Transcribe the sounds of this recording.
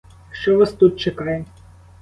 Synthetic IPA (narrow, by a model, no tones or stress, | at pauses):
ʃt͡ʃɔʋɑst̪ut̪̚t͡ʃekɑje